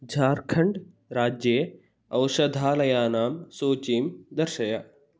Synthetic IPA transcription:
d͡ʒʱaːɾkʰɐɳɖ | ɾaːd͡ʒje | ɐwʃɐd̪ʱaːlɐjaːnaːmsoːt͡ʃiːmd̪ɐɾʃɐjaː

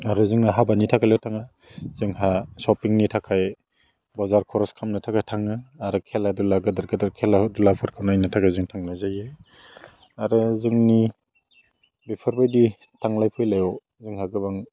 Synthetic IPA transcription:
aɾɯzɯŋaɦabanitʰakʰalewtʰaŋa | z̥ɯŋɦasɔpiŋnitʰakʰaj | bɔzaɾkʰɔɾɔskʰamnɯtʰakʰajtʰaŋɯːɾɯkʰeladulaɡɯdaɾɡɯdaɾkʰeladulapʰɯɾkʰanajnatʰakʰajzɯŋtʰaŋlajzajɯ | aɾɯzɯŋni | bepʰɯɾbajdi | tʰaŋlajpʰɯjlajɔ | zɯŋhaɡɯbaŋ

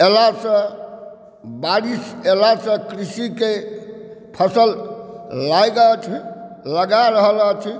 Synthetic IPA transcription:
elasə̃ | baɾiselasə̃kɾisike | pʰəsəl | lajɡət͡ʃʰləɡaɾəɦələt͡ʃʰ

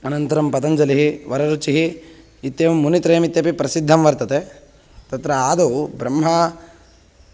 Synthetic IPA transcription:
ɐnɐnt̪ɐɾɐmpɐt̪ɐɲd͡ʒɐliɦiʋɐɾɐɾut͡ʃiɦi | it̪jeːʋɐmːunit̪ɾeːɐmit̪jɐpipɾɐsid̪ʱːɐmʋɐɾt̪ɐt̪e | t̪ɐt̪ɾɐaːd̪ubɾɐmːɦɐ

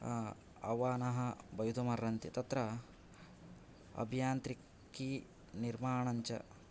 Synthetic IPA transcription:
ɐ̰ʋaːnɐɦɐbɐjud̪umɐɾːɐnt̪it̪ɐt̪ɾɐ | ɐ̰bʱijaːnt̪ɾi | kːi | niɾmaːɳɐɲt͡ʃɐ̰

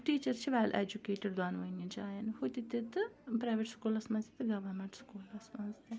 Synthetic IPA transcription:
ʈiːt͡ʃɐɾt͡ʃʰiʋɛːlʔḛːd͡ʒukeːʈeɖd̪aːnʋɐnid͡ʒaːjɐnhot̪it̪it̪ɨpɾaːʋeʈskuːlɐsmɐ̃nzit̪ɨɡɐʋɐɾmeɳʈskuːlɐsmɐnzt̪e

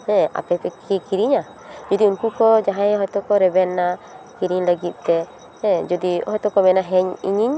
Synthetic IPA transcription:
hɛ̃a̰pɛt̪ɛkikiɾiɲa | d͡ʒɔd̪iunkukɔd͡ʒaɦãjɔɦɛt̪ɔkɔɾɛbɛnːakiɾiɲləɡit̪̚ˀt̪ɛ | hɛ̃d͡ʒɔd̪iɔ̰ɦɛt̪ɔkɔmɛnaɦɛɲḭɲiɲ

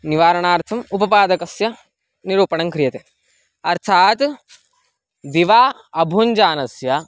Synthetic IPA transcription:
niʋaːɾɐɳaːɾt̪ʰɐmupɐpaːd̪ɐkɐsjɐ | niɾuːpɐɳɐŋkɾijɐt̪e | ɐɾt̪ʰaːt̪ | d̪iʋaː | ɐbʱuɲd͡ʒaːnɐsjɐ

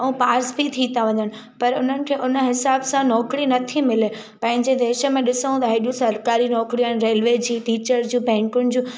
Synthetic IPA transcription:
ɐũpaːɾsbʱit̪ʰĩt̪aʋɐɲəɽ̃ɪ̆ | pɐɾʊn̤ənɪ̆kʰeʔʊnə̆ɦɪsaːbsãnɔːkɾinɐt̪ʰimɪle | pɐ̃ɦɪ̃ɲd͡ʑed̪eːʃə̆mẽɗɪsəʋũt̪aɦeɗjũsɐɾkaːɾinɔːkɾijuɛnɾeːlʋed͡ʑiːʈiːt͡ɕəɾd͡ʑũːbɛ̃ːŋkʊnɪ̆d͡ʑũː

